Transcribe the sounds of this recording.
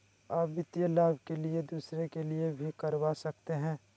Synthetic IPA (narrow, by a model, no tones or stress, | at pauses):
aːpʋɪt̪jəlaːbʱkelied̪uːsɾekeliebʱikɐɾʋasɐk̚t̪eɦɛ̃ː